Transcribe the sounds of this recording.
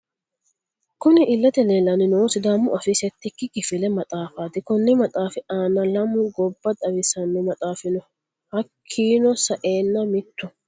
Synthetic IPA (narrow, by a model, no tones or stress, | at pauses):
kʊnɪʔɪlːɐt̪ɛleːlɐnɪnoːsɪd̪amːʊʔɐfɪsɛt̪ːɪkːɪkɪfɪlɛmɐt̪ʼaːfaːt̪ɪkɔnːɛmɐt̪ʼaːfɪʔaːnːɐlɐmʊɡɔbːɐt̪ʼɐwɪsɐnːɛmɐt̪ʼaːfɪnɔ | hɐkʰːiːnɔsɐʔeːnːɐmɪt̪ːʊ